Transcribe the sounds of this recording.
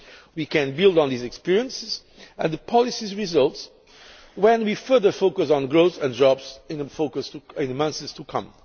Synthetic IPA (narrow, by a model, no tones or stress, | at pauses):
wikɨ̃nbɪlˠd̃n̩ðizɨkspɪɹiə̃nsɪz | ɨ̃nðəpʰɑlˠisizɹizʌlˠts | wɛ̃nwifɜ˞ðə˞foʊkəsn̩ɡɹoʊθɨ̃ndɹɑbzɪ̃nfoʊkɨsɪ̃nmʌ̃nsɨz̥tʰukʰʌ̰̃m